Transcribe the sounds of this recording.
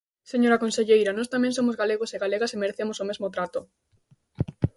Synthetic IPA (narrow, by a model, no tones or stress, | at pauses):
seɲoɾakõnseʎejɾanost̪amẽŋns̬omozɣaleɣoseɣaleɣasemeɾeθemosomezmot̪ɾat̪o